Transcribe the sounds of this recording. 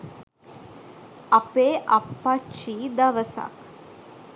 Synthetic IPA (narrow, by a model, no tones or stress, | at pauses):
ɐpeːʔapːat͡ʃːiːd̪aʋəsa̰k